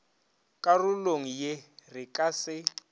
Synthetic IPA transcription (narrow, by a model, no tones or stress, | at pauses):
kʼaruloŋ̩jerɪkʼasɪ